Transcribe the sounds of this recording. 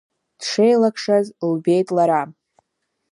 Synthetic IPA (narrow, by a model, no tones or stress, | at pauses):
d̥ʂejlakʰʂazlbe̞jtʼlaɾam